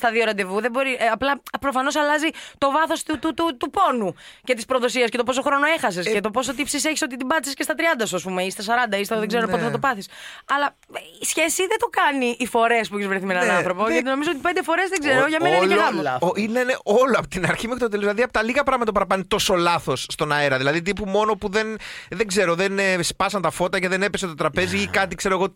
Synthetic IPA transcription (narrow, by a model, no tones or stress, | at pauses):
st̪ɐðio̞ɾɐnd̪e̞vuðebo̞ɾiʔɐplɐpɾofɐno̞sɐlɐzit̪o̞vɐθo̞st̪ut̪ut̪ut̪upo̞nuce̞t̪ispɾoðo̞siɐske̞t̪o̞poso̞xɾo̞no̞e̞xɐse̞scet̪o̞po̞s̬ot̪ipsiseçiso̞t̪it̪̬imbɐt̪isiscest̪ɐt̪ɾiɐnd̪ɐsuɐspumeist̪ɐs̬ɐɾɐnd̪ɐist̪eðeɡzeɾopo̞t̪eθɐt̪opɐθisɐlɐ | isçe̞siðet̪o̞kɐniʔːfo̞ɾe̞spuçizvɾeθimenɐnɐnθɾo̞poʝɐt̪ino̞mizoot̪ipe̞nd̪efo̞ɾe̞zðeɡze̞ɾoʝɐmennɐineeɐmlineneʔoloɐpot̪inɐɾçimukt̪ot̪elozilɐðiɐpot̪ɐliɣɐpɾɐɣmɐt̪opɐɾɐpɐnit̪o̞so̞lɐθo̞sːt̪o̞nɐeɾɐðilɐðit̪̬ipumo̞no̞puðe̞nðeɡze̞ɾoðenespɐsɐnt̪ɐfo̞t̪ɐceðenepesɐet̪ot̪ɾɐpe̞ziikɐt̪ikz̥e̞ɾoeɣo̞